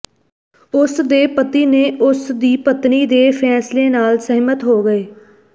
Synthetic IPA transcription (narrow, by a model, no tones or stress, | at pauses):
ʊsd̪eːpət̪iːneːʔʊsd̪iːpət̪niːd̪eːpʰɛːsleːnaːlsəɦmət̪ɦoːɡəeː